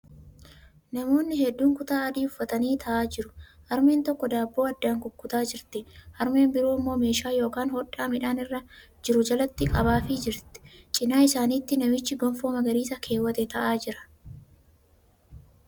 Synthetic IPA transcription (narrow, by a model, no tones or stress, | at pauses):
nɐmo̞ːnːɪɦɛd̪ːuːŋkʊt̪aːɐd̪iːʊfːɐt̪ɐniːt̪ʰɐʔaːd͡ʒɪɾʊhɐɾme̞ːnt̪ɔkːɔd̪aːbːoːɐd̪ːaːŋkʊkːʊt̪aːd͡ʒɪɾt̪ɛhɐɾme̞ːmbɪɾoːmːo̞ːme̞ːʃaːjo̞ːkaːnhɔᶑaːmɪᶑaːnɪrːɐ | d͡ʒɪɾʊd͡ʒɐlɐt̪ːɪkʼɐbaːfɪd͡ʒɪɾt̪ɛ̥t͡ʃʼɪnaːɪsaːniːt̪ːɪnɐmɪt͡ʃːɪɡɔnfo̞ːmɐɡɐɾiːsɐkʰe̞ːwːɐt̪ɛt̪ɐʔaːd͡ʒɪɾɐ̥